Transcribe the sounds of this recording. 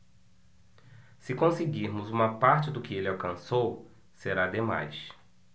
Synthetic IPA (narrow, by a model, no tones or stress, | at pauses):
sɪkõsɪɡiɾmʊzũmɐpaɾt͡ʃɪd̪ʊkɪelɪawkɐ̃sow | seɾad̪ema̰js